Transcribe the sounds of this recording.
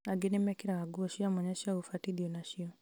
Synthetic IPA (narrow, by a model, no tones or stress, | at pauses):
aɡenemɛkiɾaaɡuɔʃiamɔɲɛʃaufatiðiɔnaʃiɔ